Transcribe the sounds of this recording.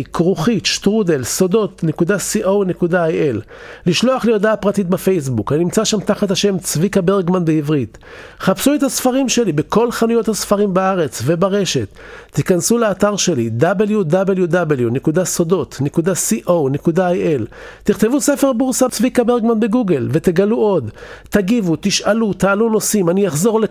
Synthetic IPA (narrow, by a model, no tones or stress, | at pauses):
kʁuχitʃt̪ʁudelsodo̞t̪nekudasiʔo̞wne̞kudaajʔel | liʃlo̞aχlejodaːpʁatit̪̚befe̞js̬bukaninimt͡saʃamt̪aχat̪haʃe̞mt͡svikabeʁɡmanbeivʁit̪ | χapsuet̪hasfaʁimʃe̞libeko̞lχanujo̞thasfaʁimbaaʁe̞t͡sve̞baʁe̞ʃe̞tːikansuleːtaʁʃe̞lid̪abeljudabeljud̪abeljunekudaso̞do̞t̪nekudasiʔo̞wnekudaajʔelt̪iχt̪e̞vusefe̞ʁbuʁsat͡svikabeʁɡmanbeɡuɡe̞lve̞t̪e̞ɡaluo̞d̪t̪aɡivut̪iʃalut̪aːluno̞simanijaχzo̞ʁle